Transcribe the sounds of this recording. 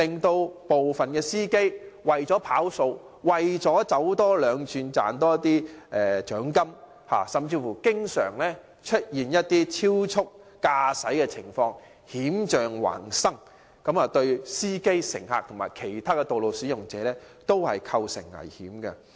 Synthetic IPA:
lɪ˨ŋt̪o˧wpo˨wfɐ˨˩nkɛː˧siː˥ke˥jwɐ˨˩jt͡sɔː˨˥pʰaː˨˥wso˧w | wɐ˨jt͡sɔː˨˥t͡sɐ˨˥wt̪ɔː˥lœː˨˧ŋt͡ʃʰyː˧nt͡sa̰ː˨nt̪ɔː˥t̪iː˥ʔɛː˨t͡ʃœː˨˥ŋkɐ˥m | ha̰ː˨˩sɐ˨˩mt͡siː˧fuː˨˩kɪ˥ŋsœ̰ː˨˩ŋlɛː˥ | t͡ʃʰɵ˥t̚jiː˨njɐ˥t̚t̪iː˥t͡sʰiː˥wt͡ʃʰʊ˥k̚ːaː˧sɐ˨˥jkɛː˧t͡sʰɪ˨˩ŋfɔː˧ŋ | hiː˨˥mt͡ʃœː˨ŋwa̰ː˨˩nsɐ˥ŋ | kɐ˨˥maː˨˧t̪ɵ˧ɥsiː˥ke˥jsɪ̰˨˩ŋha̰ː˨k̚t̪ʰʊ˨˩ŋma̰ː˨˩jkʰe˨˩jt̪ʰaː˥kɛ˧t̪o˨wlo˨wsyː˨˥jʊ˨˩ŋt͡sɛː˨˦lɛː˥ | t̪o˥whɐ̰˨jkʰɐ˧wsɪ̰˨˩ŋːɐ̰˨˩jhiː˨˥mkɐ˧

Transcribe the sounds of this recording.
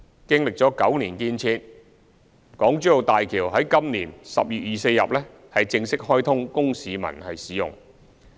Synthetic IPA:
kɪ˥ŋlɪ˨k̚t͡sɔː˨˥kɐ̰˨˥wniː˨˩nkiː˧nt͡sʰiː˧t̚ | kɔː˨˥ŋt͡ʃy˥jo˨wt̪aː˨jkʰiː˨˩wɦɐ˨˥jkɐ˥mniː˨˩nsɐ̰˨p̚jyː˨t̚jiː˨se˧jːɐ̰˨p̚lɛ˥ | hɐ˨jt͡sɪ˧ŋsɪ˥k̚hɔː˥jt̪ʰʊ˥ŋkʊ˥ŋsiː˨˧mɐ̰˨˩nhɐ˨jsiː˨˥jʊ̰˨ŋ

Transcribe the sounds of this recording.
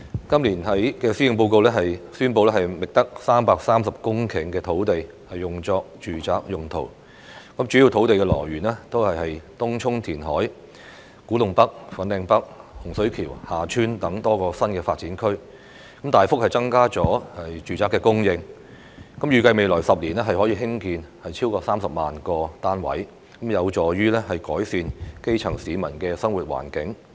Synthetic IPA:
kɐ˥mliː˨˩nɦɐ˨˥jkɛː˧siː˥ɪ˨˧ŋp̬o˧wko˧wlɛː˥ɦɐ˨jsyː˥npo˧wlɛː˥ɦɐ˨jmɪ˨k̚t̪ɐ˥k̚saː˥mpaː˧k̚saː˥msɐ˨p̚kʊ˥ŋkʰɪ˨˩ŋkɛː˧t̪ʰo˨˥wt̪e˨j | hɐ˨jːʊ˨ŋt͡sɔː˧k̚t͡ʃyː˨t͡saː˨˧k̚jʊ˨˩ŋt̪ʰo̰˨˩w | kɐ˨˥mt͡ʃyː˨˥ji˧wt̪ʰo˨˥wt̪e˨jkɛː˧lɔ̰ː˨˩jɥyː˨˩nɛː˥t̪o˥whɐ˨jhɐ˨jt̪ʊ˥ŋt͡ʃʰʊ˥ŋt̪ʰiː˨˩nɦɔ̰ː˨˥j | kuː˨˥lʊ˨ŋpɐ˥k̚fɐ˨˥nlɛː˧ŋpɐ˥k̚hʊ˨˩ŋsɵ˨˥kʰiː˨˩whaː˨t͡ʃʰyː˥nt̪ɐ˨˥ŋt̪ɔː˥kɔː˧sɐ˥nkɛː˧faː˧t̚t͡siː˨˥nkʰɵ˥ɥ | kɐ˨˥mt̪aː˨jfʊ˥k̚hɐ˨jt͡sɐ˥ŋkaː˥t͡sɔː˨˥hɐ˨jt͡ʃyː˨t͡saː˧kːɛː˧kʊ˥ŋjɪ˧ŋ | kɐ˨˥mjyː˨˧kɐ˧jme˨jlɔː˨˩sɐ˨p̚liː˨˩nɛː˥ɦɐ˨jhɔ˨˥jiː˧ɦɪ˥ŋkiː˧nhɐ˨jt͡ɕʰiː˥wkɔː˧saː˥msɐ˨p̚maː˨nkɔː˧t̪aː˥nwɐ̰˨˥j | kɐ˨˥mjɐ˨˧wt͡ʃɔː˨ɥyː˥lɛː˥ɦɐ˨jkɔː˨˥jsiː˧nke˥jt͡sʰɐ˨˩ŋsiː˨˧mɐ˨˩nkɛː˧sɐ˥ŋwuː˨˩t̚wa̰ː˨˩nkɪ˨˥ŋ

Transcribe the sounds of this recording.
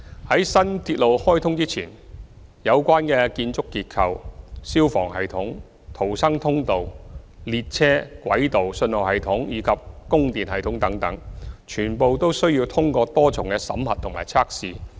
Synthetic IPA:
hɐ˨˥jsɐ˥nt̪ʰiː˧t̚lo˨whɔː˥jt̪ʰʊ˥ŋt͡siː˥t͡sʰiː˨˩njɐ˨˧wkʷwaː˥nkɛː˧kiː˧nt͡sʊ˥kːiː˧t̚kʰɐ˨˧wsiː˥wfɔː˨˩ŋɦɐ˨jt̪ʰʊ˨˥ŋ | t̪ʰo˨˩wsɐ˥ŋt̪ʰʊ˥ŋt̪o˨wliː˧t̚t͡sʰɛː˥kwɐ̰˨˥jt̪o˨wsɵ˧nlɔ˨˩whɐ˨jt̪ʰʊ˨˥ŋjiː˨˧kʰɐ˨p̚kʊ˥ŋt̪iː˨nhɐ˨jt̪ʰʊ˨˥ŋt̪ɐ˨˥ŋt̪ɐ˨˥ŋt͡ʃʰyː˨˩npo˨wt̪o˥wsɵ˥ɥjiː˧wt̪ʰʊ˥ŋkɔː˧t̪ɔː˥t͡sʰʊ˨˩ŋkɛː˧sɐ̰˨˥mhɐ˨t̪ʰːʊ˨˩ŋma̰ː˨˩jt͡sʰaː˥k̚siː˨˧

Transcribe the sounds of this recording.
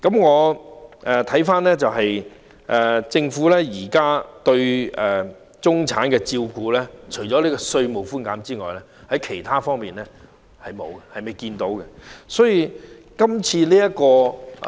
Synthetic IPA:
kɐ˨˥mŋɔː˨˧ʔɛ˨˧t̪ʰɐ˨˥jfaː˥nlɛː˥t͡sɐ˨wɦɐ˨j | ʔɛ˨t͡sɪ˧ŋfuː˨˥lɛː˥jiː˨˩kaː˥t̪ɵ˧ɥɛ˨˩ | t͡sʊ˥ŋt͡sʰa̰ː˨˥nkɛː˧t͡siː˧wkuː˧lɛː˥t͡ʃʰɵ˨˩ɥt͡ʃɔː˨˥liː˦˥kɔ˧sɵ˧ɥmo˨˩wfuː˥nkaː˨˥mt͡siː˥ŋɔ̰ː˨jlɛ˥ | hɐ˨˥jkʰe˨˩jt̪ʰaː˥fɔː˥ŋmiː˨nlɛ˥ | hɐ˨jmo̰˨˧wɡɛ˧hɐ˨jmɐ˨˩jkiː˧nt̪o˨˥wkɛ˧sɔː˨˥ji˨˧kɐ˥mt͡sʰiː˧liː˥jɐ˥t̚kɔː˧

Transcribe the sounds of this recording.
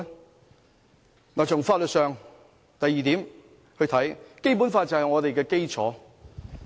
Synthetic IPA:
naː˨t͡sʊ˨˩ŋfaː˧t̚lɵ˨t̚sœː˨˧ŋ | t̪ɐ˨jːiː˨t̪iː˨˥m | hɵ˧ɥt̪ʰɐ˨˥jke˥jp̬u˨˥nfaː˧t̚t͡sɐ˨hɐ˨jŋɔː˨˧t̪e˨jkɛː˧ke˥jt͡sʰɔː˨˥

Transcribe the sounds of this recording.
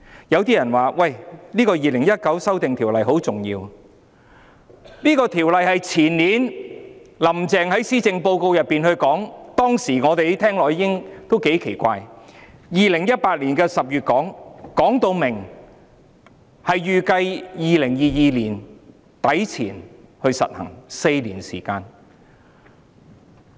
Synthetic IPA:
jɐ˨˧wt̪iː˥jɐ˨˩nwaː˨˩wɐ˥˨jliː˥kɔː˧jiː˨lɪ˨˩ŋjɐ˥t̚kɐ˨˥wsɐ˥wt̪ɪ˨ŋt̪ʰiː˨˩wlɐ˨jɦo˨˥wt͡sʊ˨ŋjḭː˧w | liː˥kɔː˧t̪ʰiː˨˩wlɐ˨˧jhɐ˨jt͡sʰiː˨˩nliː˨˥n | lɐ˨˩mt͡sɛː˨ŋhɐ˨˥jsiː˥t͡sɪ˧ŋpo˧wko˧wjɐ˨˩pːiː˨nhɵ˧ɥkɔː˨˥ŋt̪ɔː˥ŋsiː˨˩ŋɔː˨˧t̪e˨jt̪ʰɛː˥ŋlɔː˨˩ji˧˥kɪ˥ŋt̪o˥wke˨˥jkʰe˨˩jkʷa̰ː˧jjiː˨˧lɪ˨˩ŋjɐ˥t̚paː˧t̚liː˨˩nkɛː˧sɐ˨p̚jyː˨t̚kɔː˨˥ŋkɔː˨˥ŋt̪o˧wmɪ˨˩ŋ | hɐ˨jjyː˨kɐ˧jjiː˨˧lɪ˨˩ŋjiː˨jiː˨liː˨˩n | t̪ɐ˨˥jt͡sʰḭː˨˩nhɵ˧ɥsɐ̰˨t̚hɐ̰˨˩ŋse˧jliː˨˩nsḭː˨˩kaː˧n

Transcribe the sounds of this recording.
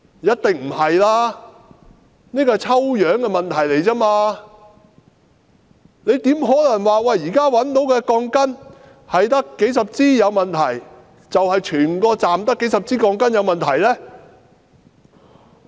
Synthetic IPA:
jɐ˥t̚t̪ɪ˨ŋm̩˨˩hɐ˨jlaː˥ | niː˥kɔː˧t͡sʰɐ˥wjœː˨˥ŋkɛː˧mɐ˨nt̪ʰɐ˨˩jle˨˩jt͡sɐː˥maː˧ | ne˨˧jt̪iː˨˥mɦɔː˨˥lɐ˨˩ŋwaː˨wɐ˨jiː˨kaː˥wɐ˨˥nt̪o˨˥wkɛː˧kɔː˧ŋkɐ˥n | hɐ˨jt̪ɐ˥kːe˨˥jsɐ˨p̚t͡siː˥jɐ˨˧wmɐ˨nt̪ʰɐ˨˩j | t͡sɐ˨whɐ˨jt͡ʃʰyː˨˩nkɔː˧t͡saː˨mt̪ɐ˥kːe˨˥jsɐ˨p̚t͡siː˥kɔː˧ŋkɐ˥njɐ˨˧wmɐ˨nt̪ʰɐ˨˩jlɛː˥

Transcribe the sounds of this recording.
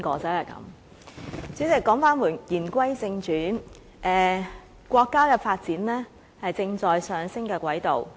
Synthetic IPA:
kɔː˨˧˥t͡sɐ˥jɐ˨jkɐ̰˨˧˥m | syː˨˥t͡sɪ˨kːɔː˨˥ŋfaː˥nwuː˨˩njiː˨˩nkʷɐ˥jt͡sɪ˧ŋt͡ʃyː˨˥n | ʔɛː˨˧ | kʷɔː˧kːaː˥kɛː˧faː˧t̚t͡siː˨˥nlɛː˥ | hɐ˨jt͡sɪ˧ŋt͡sɔː˨jsœː˨˧ŋsɪ˥ŋkɛː˧kʷɐ˨˥jt̪o˨w

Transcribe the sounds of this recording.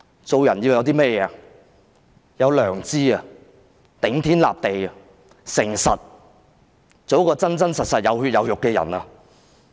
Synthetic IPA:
t͡so˨˧wjɐ˨˩nji˧wjɐ˧wt̪̬iː˥mɛː˥jɛː˨˧ɐ | jɐ˨˧wlœː˨˩ŋt͡siː˥ɐ˧ | t̪ɪ˨˥ŋt̪ʰiː˥nla̰ː˨p̚t̪e˨jɐ˨ | sɪ˨˩ŋsɐ˨t̚ | t͡so˨˥wkɔː˧t͡sɐ˥nt͡sɐ˥nsɐ˨t̚sɐ˨t̚jɐ˨˧why˧t̚jɐ˨˧wjʊ˨kːɛː˧jɐ̰˨˩nɐ˧

